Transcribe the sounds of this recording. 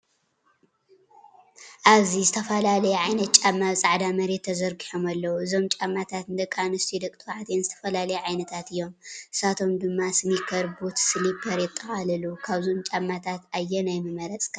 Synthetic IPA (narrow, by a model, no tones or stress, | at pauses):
ʔaβzizɨt̪ʰɐfɐlalɐjɛʕajnɐt̪̚t͡ʃʼamːaβɨsʼaʕd̪amɐɾe̞t̪ʰːɐzɐɾɡiħomalːɐwuɨzo̞mt͡ʃʼamːat̪ʰat̪nɨd̪ɐkʼanɨst̪ʰid̪ɐkʼt̪ʰɨwaʕt̪ʰenzɨt̪ʰɐfɐlalɐjuʕajnɐt̪ʰat̪ɨjːo̞mʔɨsat̪ʰo̞md̪ɨmːasɨmikʰɐɾbot̪sɨlipʰɐɾjɪt̪ʼːɐxalɐlukʰaβzo̞mt͡ʃʼamːat̪ʰat̪ajːɛnajmɐmɐɾɐt͡sʼkʰa